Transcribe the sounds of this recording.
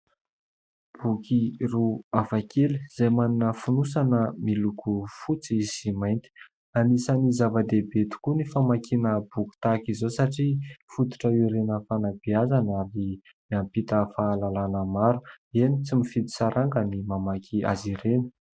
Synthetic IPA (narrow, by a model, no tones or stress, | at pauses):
b̥ukiruavakʰeliz̥ajmaninəfunusanəmilukʰufut͡siiz̥imajnt̪i̥ | anisənizavəd̪ebet̪u̥kunifamakʰinəbuku̥t̪akizosaʈ͡ʂifut̪u̥ʈ͡ʂəiɾenəfanabiazanaɾi | miampit̪əfaːlalanəmaɾu | enit͡simifid̪i̥saɾʔaŋɡənimamakʰia̰ziɾenə̥